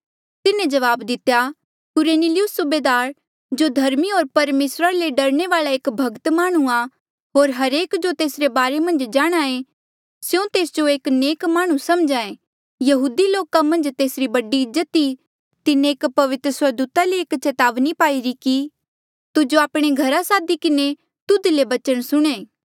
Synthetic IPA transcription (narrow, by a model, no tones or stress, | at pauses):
t̪ɪnẽd͡ʒɐʋaːbd̪ɪt̪ːeja | kʊɾeːnilijʊsːʊbeːd̪aːɾ | d͡ʒod̪ʱɐɾmiɦoːɾpɐɾmeːsɾaleɖɐɾñeʋaːɭaeːkbʱɐɡt̪maːɽ̃ua | ɦoːɾɦɐɾeːkd͡ʒot̪eːsɾebaːɾemɐ̃nd͡ʒd͡ʒaːɽ̃ae | sjõt̪eːsd͡ʒoeːkneːkmaːɽ̃usɐmd͡ʒaːẽ | jɐɦuːd̪iloːkamɐ̃nd͡ʒt̪eːsɾibɐɖiɪzːət̪i | t̪ɪnẽːkpɐʋɪt̪ɾəsəɾd̪uːt̪aleːkt͡ʃɛt̪aːʋnipaːiɾiki | t̪ʊd͡ʒoaːpɽ̃eɡʱɐɾasaːd̪ikɪne | t̪ʊd̪lebɐt͡ʃəɽ̃sʊɽ̃ẽː